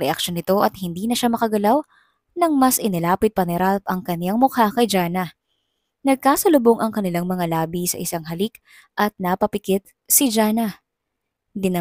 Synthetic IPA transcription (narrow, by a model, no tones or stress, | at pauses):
ɾɛ̰ʔɐkʃonɪt̪o̞ʔɐt̪̚hɪnd̪iːnɐʃamɐkɐɡɐlaw | nɐŋmɐsʔɪnɪlaːpɪt̪̚pɐnɛɾalpɐŋkɐnlaŋmʊhakɐjd͡ʒaːnɐ | nɐɡ̚kaːsɐlʊboŋʔɐŋkɐnɪlaŋmɐŋalaːbisɐ̰ʔɪsaŋɦɐlik | ʔɐt̪̚napɐpɪkɪt̪̚ | sɪd͡ʒaːnɐ | d̪ɪnɐ